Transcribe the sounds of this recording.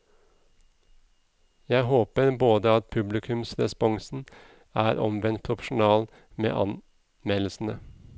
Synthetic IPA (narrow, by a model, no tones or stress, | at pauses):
jæɪhoːpəɾboːd̪əɑt̪̚pʰʉblɪkʰʉmsɾɛspɔŋsn̩ | æːɾɔmʋɛnt̪̚pʰɾʊfəʃʊn̩ɑːl | mḛːʔɑ̰n | mɛll̩sn̩ə